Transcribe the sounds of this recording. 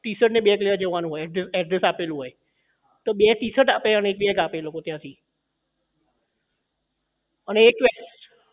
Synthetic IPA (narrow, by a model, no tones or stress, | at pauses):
t̪isəʈneɓekleəd͡ʒeʋanũɦoɛsɛʈɾɪsapelũɦoːje | t̪oɓet̪iːsəʈapeəneeːk̚ɓekapelokot̪jãsʰiː | əneːkʋesʈ